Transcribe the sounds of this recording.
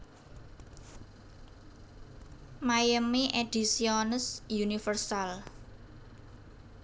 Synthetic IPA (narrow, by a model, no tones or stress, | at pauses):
majəmiʔed̥i̤siɔnəsjunifərsal